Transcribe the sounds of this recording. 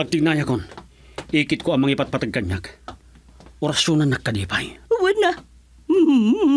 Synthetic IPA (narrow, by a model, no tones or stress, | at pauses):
ɐɡ̚t̪ɪɡ̚naːjakon | ʔiːkɪt̪̚koɐŋmɐŋiːpat̪̚pat̪aɡ̚kːaɲːak | ʔʊɾasjonanːɐkːɐdiːpajʊwɐna